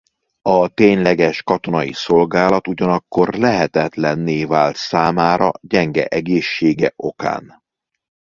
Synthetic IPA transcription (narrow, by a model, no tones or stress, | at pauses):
ɒt̪eːɲlɛɡɛʃkɒt̪o̞nɒiso̞lɡaːlɒt̪uɟɒnɒkːo̞rlɛɦɛt̪ɛt̪lɛnːeːvaːlt̪saːmaːɾɒ̰ɟɛŋɡɛ̰ʔɛɡeːʃːeːɡɛʔo̞ka̰ːn